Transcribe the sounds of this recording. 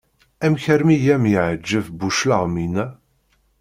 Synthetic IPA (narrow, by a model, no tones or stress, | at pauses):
æmçəɾmijæmjəʕəd͡ʒːəvbuʃlaʁminæ